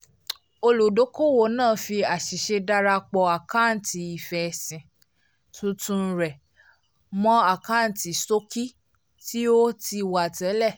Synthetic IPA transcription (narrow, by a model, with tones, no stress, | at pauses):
o˧lu˨do˨˦ko˦˨wo˨nãː˦˨fi˧a˨ʃi˨ʃe˧da˦ɾa˧k͡pɔ˧a˨ka˦˨n̩˨ti˧i˨fɛ˨˧sĩ˨ | tũ˧tũ˧ɾɛ˨ | mɔ̃˦a˦˨ka˦˨n̩˨ti˨so˦ki˦ | ti˦o˦ti˧wa˨tɛ˨˦lɛ˦˨